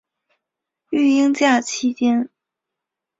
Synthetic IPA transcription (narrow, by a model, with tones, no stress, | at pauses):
y˥˩i˥ŋt͡ɕja˥˩t͡ɕʰi˥t͡ɕjɛ˥n